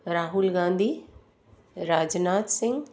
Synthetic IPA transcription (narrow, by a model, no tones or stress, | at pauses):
ɾaːɦʊlɡãːnd̪ʱi | ɾaːd͡ʒnaːt̪sɪ̃ŋɡ